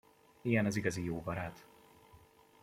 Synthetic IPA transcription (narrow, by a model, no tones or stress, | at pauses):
iɡɛnɛziɡɒzijoːbɒɾaːt̪